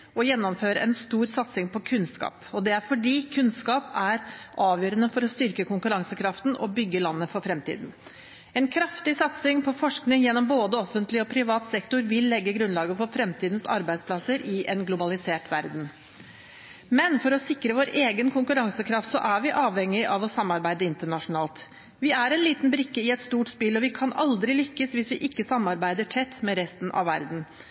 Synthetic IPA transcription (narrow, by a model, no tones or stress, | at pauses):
ɔjɛnːɔmføːɾəʔɛnst̪uːɾsɑt̪sɪŋpʰɔkʰʉnskɑ̰ːpɔd̪ɛæɾfɔɖiːkʰʉnskɑːpæɾʔɑːʋjøːɾənəfɔɾɔst̪ʏɾkəkʰʊŋkʉɾɑŋsəkʰɾɑft̪nʔɔ̰bʏɡːəlɑnːəfɔɾfɾɛmt̪ʰḭːd̪n̩ | ɛnkʰɾɑft̪ɪsɑt̪sɪŋpʰɔfɔʂknɪŋjɛnːɔmboːd̪əɔfənt̪lɪɔpʰɾɪʋɑːt̪sɛkt̪ʊɾʋɪlːɛɡːəɡɾʉnlɑːɡəfɔɾfɾɛmt̪ʰiːd̪n̩sɑ̰ɾbæɪd̪spʰlɑsəɾʔɪʔɛnɡlʊbɑlɪseːʈʋæɾd̪n̩ | mɛnfɔɾɔsɪkːɾəʋoːɾʔeːɡənkʰʊŋkʉɾɑŋsəkʰɾɑft̪sɔʔæɾʋɪʔɑːʋhɛŋːɪʔɑʋɔsɑmːɑɾbæɪd̪əɪnt̪əɳɑʂʊnɑːlt̪ | ʋɪæɾɛnliːt̪nbɾɪkːəɪɛt̪st̪uːʈspɪlɔʋɪkʰɑnɑ̰ld̪ɾɪlʏkːəsʋɪsʋɪʔɪkːəsɑmːɑɾbæɪd̪əʈʰɛt̪ːmɛɾɛst̪n̩ʔɑ̰ʋʋæɾd̪n̩